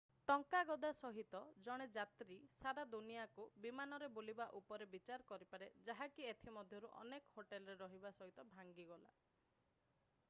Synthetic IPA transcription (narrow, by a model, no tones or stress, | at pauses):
ʈɔŋkaɡɔd̪asɔɦit̪ɔd͡ʒɔɽ̃ed͡ʒat̪ɾisaɾad̪unijakubimanɔɾebolibaʔupɔɾebit͡ʃaɾkɔɾipaɾed͡ʒaɦakiet̪ʰimɔd̪ʱjɔɾuʔɔ̰nekɔ̥hoʈelɔɾeɾɔɦibasɔɦit̪ɔbʱaŋɡiɡɔla̰